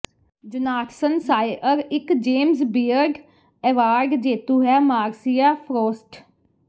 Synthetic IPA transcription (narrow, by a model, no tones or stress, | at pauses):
d͡ʒʊnaːʈʰsənsaːeʔəɾɪkd͡ʒeːmsbiːəɾɖ | ɛːʋaːɾɖd͡ʒeːt̪uːɦɛːmaːɾsijaːpʰɾoːsʈ